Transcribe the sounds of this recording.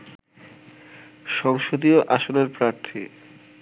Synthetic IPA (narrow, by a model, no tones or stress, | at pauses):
ʃɔŋʃod̪ioʔaʃoneɾpɾaɾt̪ʰi